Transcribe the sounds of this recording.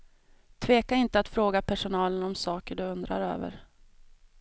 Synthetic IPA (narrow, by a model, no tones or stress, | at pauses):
t̪ʰveːkaɪnt̪əat̪fɾoːɡapʰæʂʊnɑːlənɔmsɑːkəɖɵɵnd̪ɾa̰ɾø̰ːvə̰ɾ